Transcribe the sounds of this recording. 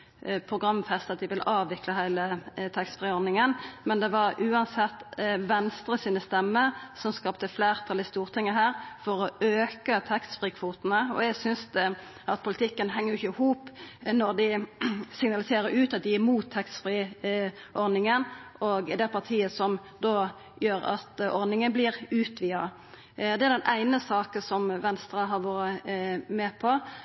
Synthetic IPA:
pʰɾʊɡʁɑmːfɛst̪ɑt̪̚d̪ɪʋɪlɑːʋɪkləhæɪlət̪ʰɛkst̪fʁiːɔʁnɪŋənmɛnd̪ɛʋɑɾʉːɑnsɛt̪ːʋɛnst̪ɾəsiːnəst̪ɛmːəɾsɔmskɑp̚t̪əfleːʁt̪ʰɑlɪst̪uːʁt̪ʰɪŋːəɦæːʁfɔɾɔøːkət̪ʰɛkst̪fʁiːkʰʋuːt̪ənəɔ̰ɛɡsʏnsd̪ | ʔɑt̪̚pʰʊlɪt̪ɪkːənɦɛŋːəjɪçəhuːpnɔɾd̪ɪsɪŋnɑlɪseːɾəɾʉːt̪ɑt̪̚d̪ɪɪmuːt̪ʰːɛksfʁi | ʔɔɾnɪŋənʔɔɡd̪ɛpʰɑʁtʰiːəsɔmd̪o | jøːɾɑ̰t̪ʔɔɾnɪŋənblɪʁʉːt̪ʋiːɑ | d̪ɛæɾd̪ɛnʔæɪnəsɑːkəsɔmʋɛnst̪ɾɑɦɑɾʋoːɾəmɛːpʰɔ

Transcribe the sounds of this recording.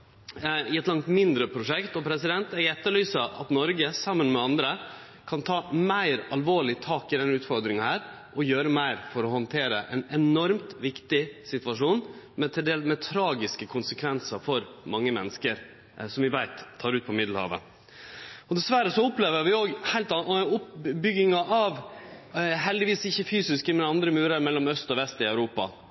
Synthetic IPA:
ɪɛt̪lɑŋt̪mɪnd̪ɾəpʰɾʊʂɛkt̪ɔpʰɾɛsɪd̪ɛnt̪æɛt̪ːəɭyːsɑʔɑ̰t̪nɔɾɡəsɑmːənmɛɑnd̪ɾə | kʰɑnt̪ʰɑːmæɪɾɑlʋoːɭɪt̪ʰɑːkɪd̪ɛnːʉːt̪fɔɾd̪ɾɪŋɑhæːɾ | ʔɔjøːɾəmæɪɾfɔɾɔhɔnt̪ʰeːɾəʔɛnɛnɔɾmt̪ʋɪkt̪ɪsɪt̪ʋɑʂuːn | mɛt̪ʰɪld̪eːlmɛt̪ʰɾɑːɡɪskəkʰʊnsəkʰʋɛnsɑɾfɔɾmɑŋːəmɛnːəskəɾ | sɔmʋɪʋæɪt̪ʰːɑːɾʉːt̪̚pʰɔmɪd̪l̩hɑ̰ːʋə̰ | ɔd̪ɛsʋæɾəsɔʊpleːʋəɾʋɪoːɡhæɪlt̪ɑʊpbʏɡɪŋɑʔɑʋ | ɦɛld̪ɪʋiːsɪçːəfyːsɪskəmɛnɑnd̪ɾəmʉːɾəɾmɛlːɔmœst̪ɔʋɛst̪ɪæʉɾuːpɑ̰

